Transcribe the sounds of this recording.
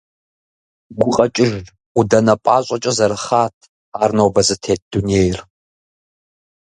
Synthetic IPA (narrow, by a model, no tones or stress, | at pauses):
ɡʷʊqʼɐt͡ʃʼɪʒ | udɐnɐpʷʼaːɕʷʼɐt͡ʃʼɐzɐɾɨχaːtʰ | aːrnowbɐzɨtʰeːt̚d̥uneːjr